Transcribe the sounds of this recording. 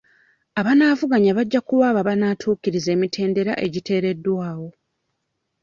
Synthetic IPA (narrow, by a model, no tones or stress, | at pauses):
aβanaːvuɡaɲaβaɟːakuwaːβaβanaːtʰuːciɾize̞ːmitʰe̞ːnde̞ɾa̰ʔe̞ɟitʰe̞ːɾe̞dːwaːwo̞